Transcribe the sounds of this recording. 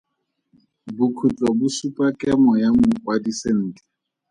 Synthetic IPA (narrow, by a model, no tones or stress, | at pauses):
bʊkʰut͡ɬʼɔbʊsupʼakʼɛmɔjamʊkʼwadisen̩ːtʼɛ̥